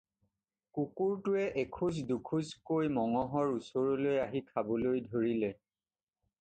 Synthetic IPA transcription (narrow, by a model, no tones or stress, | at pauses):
kukuɹtʊɛʔekʰuzdukʰuzkojmɔŋɔɦɔɹusɔɹɔlojaɦikʰabɔlojdʱoɹilɛ